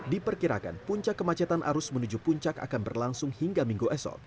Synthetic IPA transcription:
dipərkiɾa̰ka̰npuɲt͡ʃakːəmat͡ʃat̪anʔa̰ɾʊsmənud͡ʒupuɲt͡ʃaka̰kanbərlaŋsʊŋhiŋɡamiŋɡuʔɛsɔ̰t

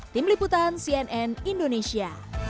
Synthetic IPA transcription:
t̪imliput̪ansiɛnʔɛnindonesia

